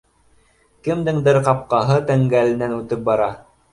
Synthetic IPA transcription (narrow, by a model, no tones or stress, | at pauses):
kɘ̆md̪ɘŋd̪ɘɾqɑp̚qɑɦɤt̪æŋɡælɘ̆nænʉt̪ɘp̚bɑɾɑ